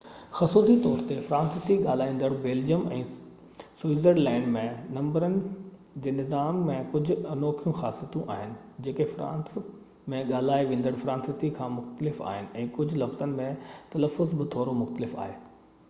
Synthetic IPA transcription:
xɐsuːsit̪ɔːɾt̪efɾãːnsɪst̪iɠaːl̤aːĩːn̆d̪əɽbeːld͡ʑiəmɛ̰̃ː | swizəɾlɛ̃ːɪɳɖmẽnɐ̃mbəɾənɪ̆ | d͡ʑeːnɪzaːmːẽkʊd͡ʑʱʊ̆ɐnɔːkʰijũxaːsijət̪ũʔa̰ːɦɪnɪ̆ | d͡ʑeːkefɾã̰ːns | mẽɠaːl̤aːiʋẽːn̆d̪əɽfɾãːnsɪst̪ikʰãːmʊxt̪əlɪfa̰ːɦɪnɪ̆ɛ̃ːkʊd͡ʑʱʊlɐfz̥ənɪ̆mẽt̪ɐləfːʊzbɪt̪ʰoːɾomʊxt̪əlɪfa̰ːɦeː

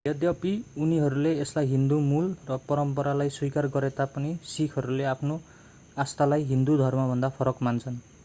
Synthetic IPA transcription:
jʌd̪jʌpiuniɦʌɾuleːslajɦind̪umulrʌpʌɾʌmpʌɾalajswikarɡʌɾet̪apʌnisikʰɦʌɾuleapʰno | ast̪alajɦind̪ud̪ʱʌrmabʱʌnd̪apʰʌɾʌkmant͡sʰʌn

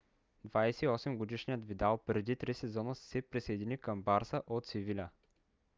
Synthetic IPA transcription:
d̪vajsɛiɔsɛmɡod̪iʃnijət̪vid̪alˠpɾɛd̪it̪ɾisɛzɔnəsɛpɾisɐjd̪inikəmbaɾsəʔot̪sivilʲə

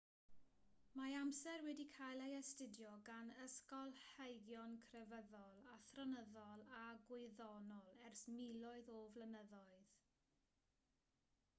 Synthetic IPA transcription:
maamsɛrwɛdikʰajlˠejɛstɪdjɔɡanəskɔlˠhejɡjɔnkʰrɛvəðɔlˠaθrɔnəðɔlˠaɡwɪðɔnɔlˠɛrsmilˠɔɨðɔvlənəðɔɨð̥

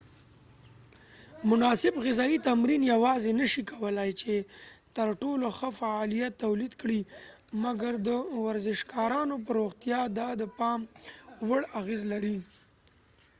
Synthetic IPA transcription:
mʊnɑsɪbɣɪzɑjit̪amɾinjawɑzenəʃikawəlajt͡ʃet̪əɾʈoloxəfaɑlijat̪ːawlid̪kɽi | maɡaɾd̪əwaɾzɪʃkɑɾɑnop̬əɾoɣt̪jɑd̪ɑd̪əpɑmwəɽaɣezlaɾi

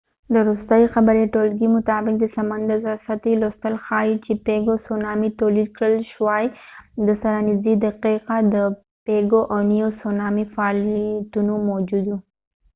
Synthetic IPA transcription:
d̪əɾost̪ajixabaɾeʈolɡimʊt̪ɑbɪk̚d̪əsamand̪azasat̪ilost̪əlxɑit͡ʃepeɡosonɑmit̪olid̪kɽəlʃwɑjd̪əsaɾanɪzid̪aqiqad̪ə | peɡoʔawnijosonɑmifaːlijt̪unomod͡ʒud̪u

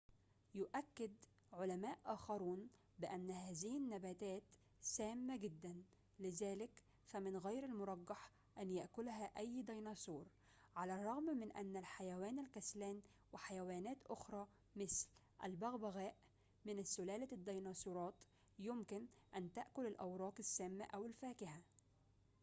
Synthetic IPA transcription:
jʊʔækːɪd̪ | ʕolæmæːʔʔæːxɑɾuːn | bɪʔænːhæːzɪhɪnːæbæːt̪æːt̪ | sæːmːæɡɪd̪ːæn | lɪzæːlɪk | fæmɪnɣajɾɪlmʊɾˤɑɡːɑħ | ʔænjaʔkʊlɦæʔæjːd̪ɑjnɑːsuːɾ | ʕalærˤːɑɣmmɪnʔæ̰nːælħajæwæːnɪlkæslæːn | wɪħajæwæːnæːt̪ʔʊxɾˤɑː | mɪsl | ʔæ̰lbæɣbæɣæːʔ | mɪnɪsːʊlæːlad̪ːɑjnɑːsˤuːɾˤɑːt̪ | jʊmkɪnʔænt̪aʔkʊlɪlʔawɾˤɑːqɪsːæːmːæ̰ʔæwɪlfæːkɪha

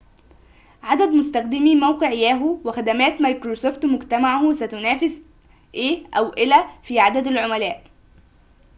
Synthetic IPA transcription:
ʕad̪æd̪mʊst̪æxd̪ɪmimæwqeʕɪjæːɦʊwɪxæd̪æmæːt̪majkɾosoːft̪mʊɡt̪æmaʕhsæt̪ʊnæːfɪs | ʔeːʔæwʔɪlæfiːʕad̪æd̪ælʕʊmælæːʔ

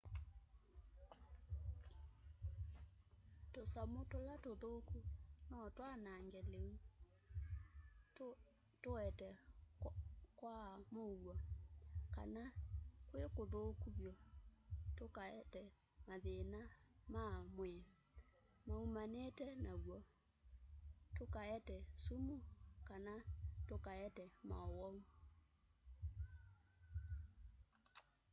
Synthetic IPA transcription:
tosamotolatoðokunɔtwanaŋɡɛleu | toɛtɛ | kwamowakanakwekoðokuβjɔ | tokaɛtɛ | maðenamamwɛ | maumanetɛnaɣwɔ | tokaɛtɛsumukanatokaɛtɛma̰wɔu

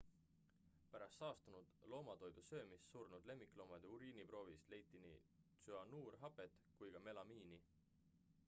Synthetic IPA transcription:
pæɾɑst̪ːɑːst̪unud̪̥lo̞ːmɑt̪o̞jd̪̥usø̞ːmissurnud̪̥le̞mːikˑlo̞mɑd̪̥euɾiːnipro̞ːvist̪le̞jt̪ːˑinḭt̪syɑnuːrɦɑpe̞t̪ | kujɡ̥ɑme̞lɑmiːni

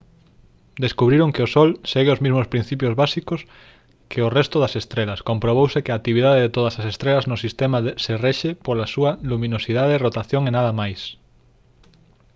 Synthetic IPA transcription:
d̪eskuβɾiɾoŋkɪosɔlseɣeozmizmospɾin̟θip̬jozβasikos | kʰeorɛst̪ʊðɐsest̪ɾelɐskompɾoβ̞owsekɪaːt̪ːiβiðaðeðet̪oðɐsɐsest̪ɾelɐznʊsist̪emɐðsereʃepolasuɐlumĩnosiðaðerot̪aθjoŋenaðɐmajs

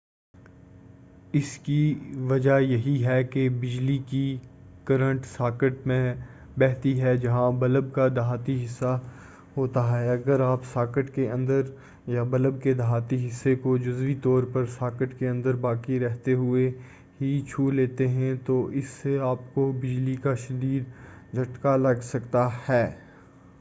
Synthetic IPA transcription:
ɪskiʋɐd͡ʒajɐɦiɦɛkebɪd͡ʒliki | kɐɾə̃ɳʈsaːkəʈmẽ | bɛːɦt̪iɦɛd͡ʒɐɦãbɐləb̚kad̪ɐɦaːt̪iɦɪsːa | ɦoːt̪aɦɛɐɡəɾaːpsaːkəʈkeɐ̃nd̪əɾ | jabɐləb̚ked̪ɐɦaːt̪iɦɪsːekod͡ʒʊzʋit̪ɔːɾpɐɾsaːkəʈkeɐ̃nd̪əɾbaːkiɾɛɦt̪eɦʊe | ɦit͡ʃʰuːleːt̪eɦɛ̃t̪oʔɪsːeaːp̚kobɪd͡ʒlikaʃɐd̪iːd̪d͡ʒʱɐʈkalɐɡsɐkt̪ahɛː

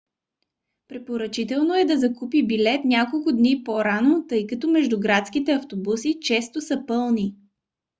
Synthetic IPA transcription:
pɾɛpoɾɐt͡ʃit̪ɛlˠnoɛd̪ɐzɐkupibilɛt̪nʲakolˠkʊd̪nipoɾanot̪ɤjkɐt̪ɔmɛʒd̪ʊɡɾat̪skit̪ɛɐft̪obusit͡ʃɛst̪osəpɤlˠni

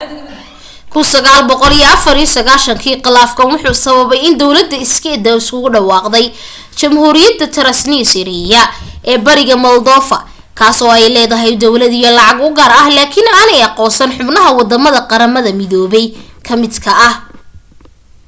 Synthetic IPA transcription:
kʰʊnsɐɣaːlbɔqɔlijɐɐfɐɾijɔsɐɣaːlʃɐŋkʰiːqɪlaːfkʰɐnwʊħuːsɐβɐβɛjɪnd̪ɔwlɐd̪ɐɪskʰɛd̪ɐwɪskʰʊɣʊɖɑwɑːqd̪ɛj | t͡ʃɐmhuːɾɪjɐd̪ːɐt̪ʰɐɾɐsniːsɪɾɪjɐʔɛːbɐɾɪɣɐmɐld̪ɔːfɐ̰ | kʰaːsɔːɛjlɛːðɐɦɛjd̪ɔwlɐðijɔlɑʕɑɡʊɡaːɾɐhlaːkʰɪnaːnɛjɑqɔːsɐnħʊbnɐɦɐwɑd̪ɐmɐðɐqɑɾɐmɐðɐmɪðɔːβɛjkʰɐmɪd̪kʰɐʔɐh

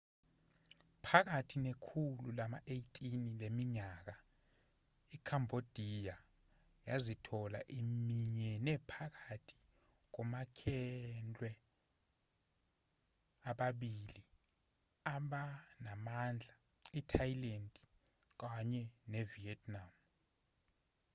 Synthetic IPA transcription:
pʰak̬atʰinekʰululamaʔejitʼinilemiɲaːk̬a | ikʰambʱod̥ʱija | jazitʰɔla̰ʔimiɲɛnɛpʰak̬atʰi̥ | k̬ɔmakʰɛnd͡ɮʱʼwɛ | aɓaɓili | aɓanamand͡ɮʱa | itʰajilendʼi | k̬aɲɛneviɛtʰʼnam

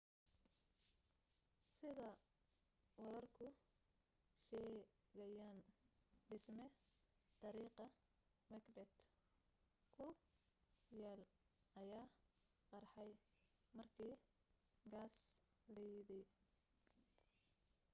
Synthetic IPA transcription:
sɪðɐ | wɐlɐrkʰʊ | ʃɛː | ɣɐjaːnɖɪsmɛt̪ʰɑɾiːqɐ | mɐkbɛt̪ | kʰʊ | jɛːl | ɐjaː | qɑrħɑjmɐrkʰiː | ɡaːs | lɛjðɛj

